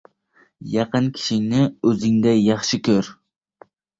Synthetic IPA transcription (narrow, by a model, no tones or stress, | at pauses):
jɑqɨnkʲʰi̥ʃɪŋnɪɵzɪŋd̪ɛjɑχʃɪkʲʰøɾ